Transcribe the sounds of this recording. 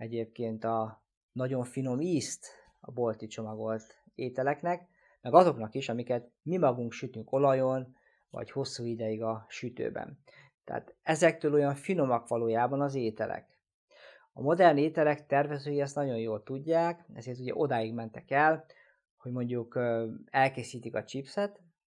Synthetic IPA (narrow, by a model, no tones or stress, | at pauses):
ɛɟeːp̚keːnt̪ɒ | nɒɟo̞ɱfino̞miːst̪ | ɒ̰bo̞lt̪it͡ʃo̞mɒɡo̞lt̪ | eːt̪ɛlɛknɛk | mɛɡɒzo̞knɒkiʃɒmikɛt̪ | mimɒɡuŋkʃyt̪yŋko̞lɒjo̞n | vɒ̰cho̞sːuːid̪ɛjiɡɒʃyt̪ø̰ːbɛ̰n | t̪ɛ̰ːt̪ɛzɛk̚t̪øːlo̞jɒɱfinomɒkʋɒloːjaːbɒnɒzeːt̪ɛ̰lɛ̰k | ɒmo̞d̪ɛrneːt̪ɛlɛkt̪ɛrvɛzøːjiɛst̪nɒɟo̞jjoːlt̪uɟːaːkɛ̰zeːrt̪uɟɛ̰ʔo̞d̪aːjiɡmɛnt̪ɛkɛl | ho̞ɟmo̞ɲɟukɛlkeːsiːt̪ikɒt͡ʃipsɛt̪